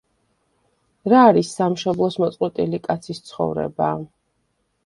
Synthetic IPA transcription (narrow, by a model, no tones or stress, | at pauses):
ɾaːɾisːamʃɔblˠɔsmɔt̪sʼqʼwɛt̪ʼilikʼat̪sʰist̪sʰχɔ̰vɾɛ̰ba̰